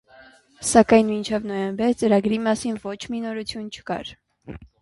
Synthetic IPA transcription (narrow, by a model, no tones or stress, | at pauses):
sɑkɑjnmint͡ʃʰɛvnɔjɛmbɛɾt͡səɾɑɡɾimɑsinvɔt͡ʃʰminɔɾut͡sʰjunt͡ʃʰə̥kɑ̰ɾ